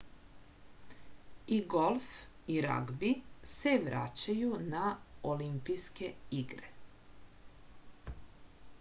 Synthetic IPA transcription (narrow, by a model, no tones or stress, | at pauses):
iɡolˠf | iɾa̰ɡbiseʋɾa̰t͡ɕajunaolimpijskeiɡɾe